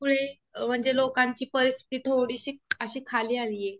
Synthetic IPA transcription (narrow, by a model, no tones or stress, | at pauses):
puɭe | m̤əɳd͡zelokaɲt͡ɕiːpəɾist̪ʰi̥t̪iːt̪ʰoɽiːɕiːəɕiːkʰaliːaliːje